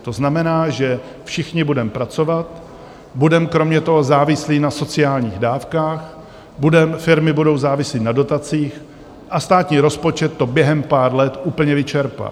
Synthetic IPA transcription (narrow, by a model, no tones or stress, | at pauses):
t̪o̞znamɛnaːʒɛ | fʃɪxɲɪbudɛmpɾat͡so̞vat̪ | budɛmkɾo̞mɲɛt̪o̞ɦo̞zaːvɪsliːnaso̞t͡sɪaːlɲiːɣdaːfkaːx | budɛmfɪɾmɪbudo̞wzaːvɪsliːnado̞t̪at͡siːx | ʔast̪aːt̪ɲiːɾo̞spo̞t͡ʃɛt̪ːo̞bjɛɦɛmpaːɾlɛt̪ʔuːpl̩ɲɛvɪt͡ʃɛɾpa̰